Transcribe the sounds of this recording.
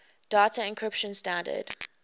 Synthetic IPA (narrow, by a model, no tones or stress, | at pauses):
d̥aːtəɪ̃nkʰɹɪpʃə̃nstãndə̰d̥